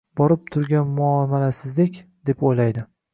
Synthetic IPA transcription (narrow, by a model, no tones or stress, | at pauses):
bɒɾɪp̚t̪ʰʊɾɡʲanmʊɒmalasɪzlɪkʲd̪e̞pojlajd̪ɪ